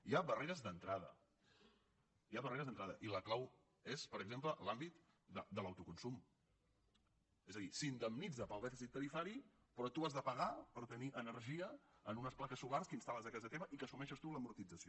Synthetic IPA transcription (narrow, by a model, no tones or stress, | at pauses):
iaβəreɾəzd̪ənt̪ɾaðə̰ | iaβəreɾəzðənt̪ɾaðəʔiləklaw | espəɾəɡzempləʔlambit̪ | d̪əd̪ələwt̪ukunsum | ezəðisind̪əmnid͡zəpəlˠd̪ɛfisit̪ːəɾifaɾi | pɾɔt̪uazðəpəɣapəɾt̪əniʔənəɾʒiəənunəsplakəsːularskəinst̪aləzəkazət̪eβəʔikəsumɛʃəst̪uləmuɾt̪id͡zəsio